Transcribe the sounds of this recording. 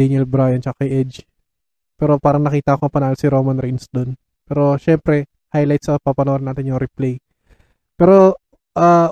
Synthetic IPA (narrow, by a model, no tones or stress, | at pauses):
ɛnɛlbɾajɐnt͡ʃɐakɐjʔɛd͡ʒ | pɛːɾo̞paːɾɐŋnɐkiːt̪ɐɐkoɐpɐnaːlsɪɾoːmɐnɾinsd̪on | pɛːɾoʃɛmpɾɛ | hajlɐjt̪̚sɐpɐpɐnoɾɐnaːt̪ɪnjʊŋɾɪplɛj | pɛːɾo̞ | ʔa